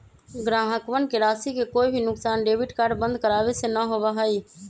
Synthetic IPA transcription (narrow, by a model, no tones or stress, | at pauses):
ɡɾaɦəkʋənkeɾasikekoibʱinʊksaːnɖebiʈkaɾɖbə̃nd̪̚ʱkəɾabesenəɦobəɦəj